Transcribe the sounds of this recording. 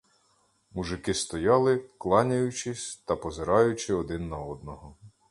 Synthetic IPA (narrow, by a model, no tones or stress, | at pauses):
muʒɪkɪst̪ɔjɑlˠɪklˠɑnʲɐjʊt͡ʃɪsʲt̪ɐpɔzɪɾɑjʊt͡ʃɪɔd̪ɪnːɐɔd̪nɔɦɔ